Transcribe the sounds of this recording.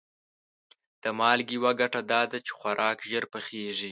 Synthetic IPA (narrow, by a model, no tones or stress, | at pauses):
d̪̥əmɑlɡiwaɡaʈad̪ɑd̪at͡ʃe̥xwaɾʔɑkʒəɾpəxeʐi